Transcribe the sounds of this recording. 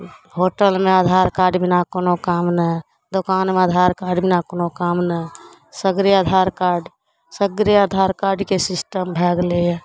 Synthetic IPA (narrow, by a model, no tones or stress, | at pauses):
hoʈəlmead̪ʱaɾkaːɾɖbʱinakonokamnə | d̪okaːnmead̪ʱaɾkaːɾɖbʱinakoːnokamnə | səɡɾiad̪ʱaɾkaːɾɖ | səɡɾiad̪ʱaɾkaɾɖkesɪsʈəmbʱɛːɡlejɛ